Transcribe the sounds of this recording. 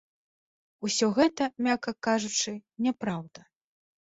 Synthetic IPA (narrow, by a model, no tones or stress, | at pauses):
usʲɔɣɛt̪ɐmʲakɐkaʐut͡ʂɨnʲɛpɾawd̪ɐ